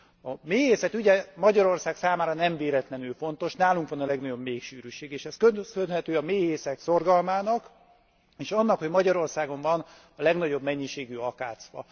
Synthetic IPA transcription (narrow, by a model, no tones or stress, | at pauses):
ɒmeːɦeːsɛt̪yɟɛmɒɟɒɾo̞rsaːksaːmaːɾɒnɛɱveːɾɛt̪lɛnylfo̞nt̪o̞ʃnaːluŋkʋɒnɒlɛɡnɒɟo̞bmeːkʃyːɾyʃeːɡeːʃɛskønzønhɛt̪øːɒmeːheːsɛkso̞rɡɒlmaːnɒk | eːʃɒnːɒkhoɟmɒɟɒɾo̞rsaːɡo̞ɱvɒn | ɒlɛɡnɒɟo̞bmɛɲːiʃeːɡyɒkaːt̪sʋɒ̰